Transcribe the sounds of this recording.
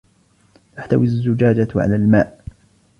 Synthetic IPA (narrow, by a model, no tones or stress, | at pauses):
t̪aħt̪awiazːʊd͡ʒaːd͡ʒaʕa̰laːlmaːʔ